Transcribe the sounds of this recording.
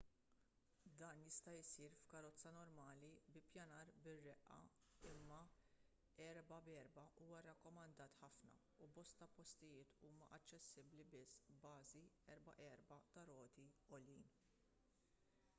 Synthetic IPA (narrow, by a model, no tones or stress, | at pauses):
d̪ɐːnjɪst̪ɐɪsiːɾfkɐɾɔt͡sːɐnɔɾmɐːlibɪpjɐnɐːɾbɪrːɛʔːɐ̰ | ɪmːɐ | ɛɾbɐbɛɾbɐʔuːwɐɾɐkːɔmɐnd̪ɐːt̪ħɐfnɐ̰ | ubɔst̪ɐpɔst̪ɪjɪːt̪uːmɐ̰ʔɐt͡ʃːɛsːɪblibɪsːbɐːziɛɾbɐ̰ʔɛɾbɐt̪ɐɾɔːt̪iɔljiːn